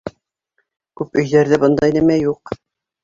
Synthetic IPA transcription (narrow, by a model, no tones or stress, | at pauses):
kʉpɵ̆jðæɾðɘbɤ̆nd̪ɑinɘmæjuq